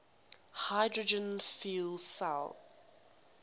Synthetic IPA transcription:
haɪdɹəd͡ʒə̃nfiːlˠsa̰l

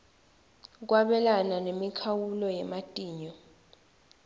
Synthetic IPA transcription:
k̬waɓɛlananemikʰawulɔjɛmatʼiːɲɔ

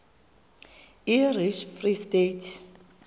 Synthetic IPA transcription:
iriʃfristetʰ

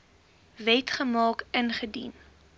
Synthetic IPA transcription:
vɛtχəmɑːkənχədḭn

